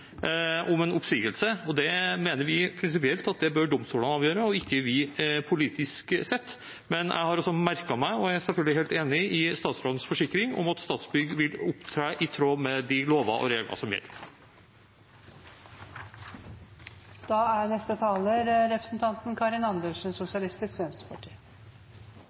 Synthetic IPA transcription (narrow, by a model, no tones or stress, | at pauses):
ʔʊmɛnʊpsiːɡəlsəɔd̪ɛmeːnəɾʋɪpʰɾɪns̬ɪpɪɛlt̪ɑt̪̚d̪ɛbœɖʊmst̪uːlənɑːʋjøːɾəɔɪkːəʋɪpʰʊliːt̪ɪsksɛt̪ː | mɛnʔæ̰ɪhɑɾɔsɔmæɾkɑmæɪɔææsɛlfœlɡ̪əlɪheːlt̪eːnɪʔɪst̪ɑːt̪sɾɑd̪nsfɔʂɪkːɾɪŋɔ̰mɑt̪st̪ɑːt̪sbʏɡʋɪlʊpt̪ʰɾæːʔɪt̪ʰɾoːmɛd̪ɪloːʋɑ̰ʔɔ̰ɾeːɡlɑ̰sɔmjɛ̰lːəɾ | d̪̥ɑːæɾnɛst̪ət̪ʰɑːləɾɾɛpɾəsn̩t̪ʰɑnt̪n̩kʰɑɾɪnɑnd̪əlʂn̩sʊsɪɑlɪst̪ɪskʋɛnst̪ə̥pʰɑʈʰḭː